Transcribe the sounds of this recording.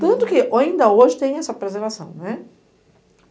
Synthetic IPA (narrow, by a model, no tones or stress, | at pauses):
t̪ɐ̃nt̪ʊkɪʔaĩnd̪ɐoʒɪt̪ẽj̃ɛsɐapɾezẽɾvasɐ̰̃w̃nɛ